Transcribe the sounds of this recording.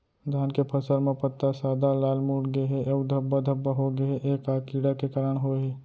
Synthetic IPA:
d̪ʱaːnkepʰəsəlmepət̪ːasaːd̪alaːlmuʈɡeɦɛʔəud̪ʱəbːad̪ʱəbːaɦoɡəeʔekakiɽakekaɾəɳɦoɦe

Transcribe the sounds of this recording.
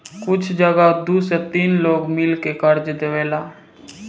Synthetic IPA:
kʊt͡ʃʰd͡ʒəɡad̪uːset̪iːnloːɡmɪlkekəɾd͡ʒd̪eʋeːlaː

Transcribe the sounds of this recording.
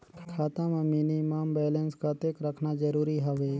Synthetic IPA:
kʰaːt̪ãmẽminimambɛːlənskət̪ekɾəkʰnad͡ʒəɾuːɾiɦəʋeː

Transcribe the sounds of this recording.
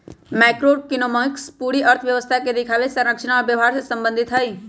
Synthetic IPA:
mɛːkɾokɪnomə̃kspuːɾiʔəɾt̪ʰəʋjəʋəst̪ʰaked̪ekʰaʋesə̃ɾɾəkʃəñaɔːɾbjəʋɦaːɾsesə̃mbə̃nd̪ʱɪt̪ɦəi

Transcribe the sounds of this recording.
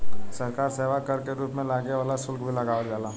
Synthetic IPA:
sɐɾkaːɾseːʋakɐɾkeɾuːpmẽlaːɡeʋaːlasʊlkʰbʱilɐɡaːʋad͡ʒaːlaː

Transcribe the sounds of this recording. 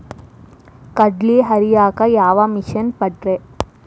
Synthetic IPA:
kɐɖliɦɐɾijaːkɐjaːʋɐmiʃɐnpɐʈɾe

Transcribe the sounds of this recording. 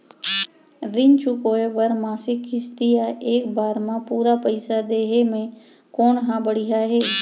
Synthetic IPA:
ɾɪnt͡ʃukoːeʋəɾmaːsɪkɦɪst̪ijaʔeːkbaːɾmãpuːɾapəɪsad̪eːɦemẽ | koːnɦãːbəɽiɦaɦeː

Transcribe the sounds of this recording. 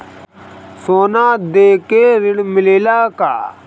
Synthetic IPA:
soːnaːd̪eːkeɾɪɽmɪleːlaːka̰ː

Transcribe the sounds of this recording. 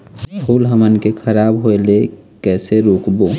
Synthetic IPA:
bʱuːlɦəmənkekʰəɾaːbɦoele | kɛːseɾoːkbo

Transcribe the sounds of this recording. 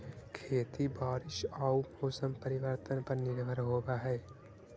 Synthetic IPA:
kʰeːt̪ibaːɾɪʃaʊpoːsəmpəɾɪʋəɾt̪ənpɐɾnɪɾbʱəɾɦoːɡaɦɛː

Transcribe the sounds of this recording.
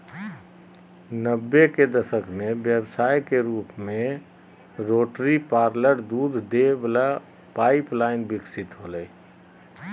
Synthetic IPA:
nəbːeked̪əsəkmẽbjəbsaːjkeɾuːpmẽ | ɾoːʈɾipaːɾləɾd̪uːd̪d̪ebla | paːɪplaːɪnbɪksɪt̪ɦoləi

